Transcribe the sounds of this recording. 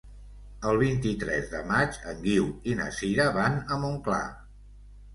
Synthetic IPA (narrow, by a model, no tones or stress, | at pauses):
əlˠβ̞int̪it̪ɾɛzðəmad͡ʒəŋɡiwinə̰siɾəβanəmuŋkla̰